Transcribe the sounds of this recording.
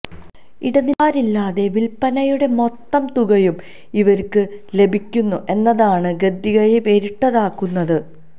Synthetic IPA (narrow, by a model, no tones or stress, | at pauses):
iɽɐniaːɾilːaːðe̞ʋilpɐnɐjuɽe̞mo̞t̪ːɐmt̪uɣɐjum | iʋɐɾkɨle̞bʱikʲːunːuʔe̞nːɐðaːɳɨɡɐd̪ːiɣɐjeʋeɾiʈːɐðaːkːunːɐðɨ